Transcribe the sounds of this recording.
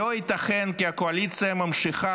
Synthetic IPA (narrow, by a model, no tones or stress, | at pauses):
oit̪ɐχenkiakoalit̪t͡ssɨjamamʃiχa